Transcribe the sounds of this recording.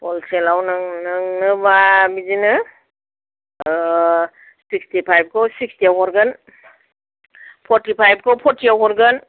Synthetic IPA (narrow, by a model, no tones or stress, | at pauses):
pɔlselawnɯŋnɯŋnɯbabizinɯ | sʰikstipʰajb̚kʰowsik̚stiaɦɔɾɡən | pʰɔɾtipʰajb̚kʰowpʰɔɾtiawɦɔɾɡən